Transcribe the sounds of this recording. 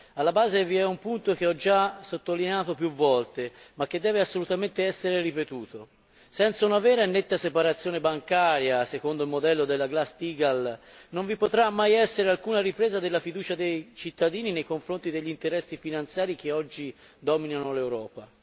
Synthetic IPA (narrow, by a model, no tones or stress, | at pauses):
alːabaːzeviɛumpunt̪ok̟eɔd͡ʒasot̪ːolineaːt̪opjuvːɔlt̪emakːed̪ːɛːveasːolut̪ament̪eɛsːeɾeripet̪uːt̪o | sɛnt̪saunavɛːɾanːet̪ːasepaɾat̪sjoːnebaŋkaːɾjasekond̪oilmod̪ɛlːod̪elːaɡlast̪iːɡalnoɱvipot̪ɾamːajɛsːeɾealkuːnaɾipɾeːzad̪elːafid̪uːt͡ʃad̪ejt͡ʃit̪ːad̪iːninejkoɱfɾont̪id̪eʎːint̪eɾɛsːifinant̪sjaːɾik̟eɔd͡ʒːi | d̪ɔːminanolewɾɔːpa